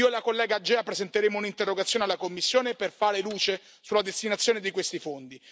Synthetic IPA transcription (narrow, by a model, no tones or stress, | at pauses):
ioelakolːɛːɡad͡ʒːɛːapɾezent̪eɾeːmounint̪erːoɡat̪sjoːnealːakomːisːjoːneperfaːɾeluːt͡ʃe | sulːad̪est̪inat̪sːjoːned̪ikwest̪ifond̪i